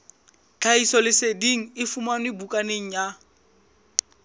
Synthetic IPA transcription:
t͡ɬʰaisɔlɪsediŋ̩ɪfumanʊɪbukʼaneŋ̩ja

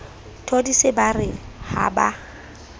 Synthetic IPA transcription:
tʰodisɪbarɪha̰ba̰

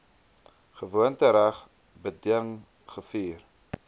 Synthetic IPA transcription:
χəvuəntəɾæχ | bədiəŋ | χəfiːr

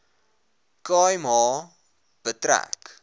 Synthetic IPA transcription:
kɑːjmɦɑː | b̥ətɾæ̰k

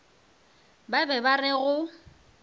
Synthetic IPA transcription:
babɛbarɪɣʊ

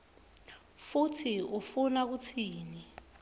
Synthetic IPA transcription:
futʰiufunak̬ut͡sʰiːni

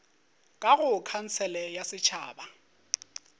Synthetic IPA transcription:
kʼaɣʊkʰan̩t͡sʰɛlɛjasɪt͡ʃʰa̰ːba

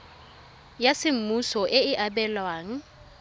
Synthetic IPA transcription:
jasɪm̩musɔʔɪɪʔabɛlwaːŋ̩

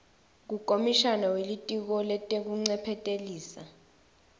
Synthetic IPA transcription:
k̬ukʼomiʃanawelitʼik̬ɔlɛtʼek̬uŋ͡ǀɛpʰɛtʼeliːsa

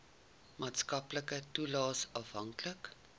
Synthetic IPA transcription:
mɑːtskɐpləkətulɑːsɑfɦɐŋklək

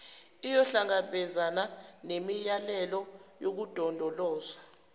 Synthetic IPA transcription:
ijɔɬaŋaɓɛzananemijalɛlɔjok̬ud̥ʱɔndʱɔlɔːza

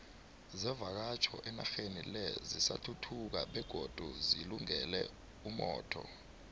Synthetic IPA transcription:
zɛvak̬at͡ʃʰɔʔɛnaxenilɛzisa̰tʰutʰuk̬a̰ɓɛɡ̥ʱod̥ʱuziluŋɛlɛ | umɔ̰ːtʰɔ̰

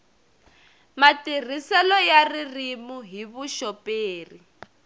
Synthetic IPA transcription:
matir̤isɛlɔjaririmuɦiβuʃɔpeːri

